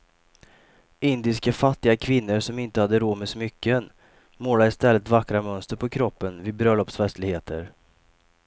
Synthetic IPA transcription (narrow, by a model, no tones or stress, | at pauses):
ɪnd̪ɪskafat̪ːɪɡakʰvɪnːəɾʂɔmɪnt̪əhad̪ːəɾoːmɛsɔmʏkːən | moːlaɪst̪ɛlːət̪vakɾamœnst̪əɾpʰɔkʰɾɔpːənvɪːd̪bɾœlɔpsfɛst̪lɪɡheːt̪ʰə̰ɾ